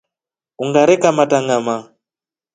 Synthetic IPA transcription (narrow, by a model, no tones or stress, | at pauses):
uŋɡaɾɛkamataŋɡama